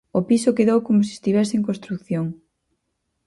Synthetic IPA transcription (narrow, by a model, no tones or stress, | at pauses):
opisokeðowkomosiest̪iβ̞ɛseeŋk̬õnst̪ɾukθjoŋ